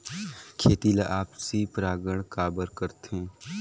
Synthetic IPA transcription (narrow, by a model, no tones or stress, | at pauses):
kʰeːt̪iːlaʔaːpsipɾaːɡəɽ̃kaːbəɾkəɾt̪ẽː